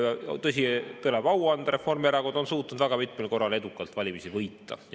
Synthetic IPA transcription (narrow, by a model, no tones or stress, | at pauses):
jɑt̪ɤs̬ʲit̪ɤleb̥ɑwɑnd̪̥ɑɾe̞fo̞rmeɾɑɡud̪o̞nsuːt̪ːˑnud̪væɡ̥ɑmit̪ːˑmelko̞rːɑle̞d̪ukːˑɑlt̪vɑlʲimisivɤjt̪ːɑ̰